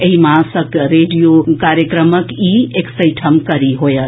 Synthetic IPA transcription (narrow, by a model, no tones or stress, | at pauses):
eɦimãsəkɾeɖijokaɾjəkɾəməkieksəɪʈʰəmkəɾiɦojə